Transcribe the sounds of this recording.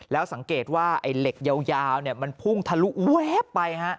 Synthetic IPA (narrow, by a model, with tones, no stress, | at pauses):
lɛː˦˥wsa˨˩˦ŋkeː˨˩t̪̚waː˥˩ʔa̰˧˩jle˨˩k̚ja˧wjaː˧wni˥˩ɐma˧npʰu˥˩ŋt̪ʰa˧lu˦˥ʔu˦e˦˥pːa˧jha˦˥ʔ